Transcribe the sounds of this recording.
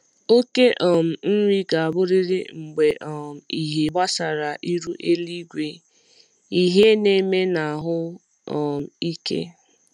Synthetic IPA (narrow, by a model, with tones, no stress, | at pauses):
o˦ke˦ʔɔ˨m̩˨n̩˦ɾʷi˦ɡa˨a˨bʊ˦ɾi˦ɾɪ˦ŋ͡m̩˨ɡ͡be˨ʔɔ˨m̩˨i˨ɦe˨ɡ͡ba˦sa˨ɾa˨ʔi˦ɾu˦ʔe˦li˦ɡʷe˦ | i˦ɦe˦ne˦me˦na˨ɦʊ˦ | ɔ˨m̩˨i˦kḛ˦